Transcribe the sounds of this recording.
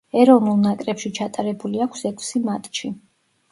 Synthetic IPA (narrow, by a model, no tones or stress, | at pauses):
ɛɾɔvnulˠnakʼɾɛpʃit͡ʃʰat̪ʼaɾɛbuliakʷʰsɛkʷʰsimat̪ʼʃi